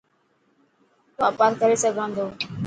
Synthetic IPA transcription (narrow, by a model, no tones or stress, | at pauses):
uapaːɾkəɾesəɡʱãːnd̪oː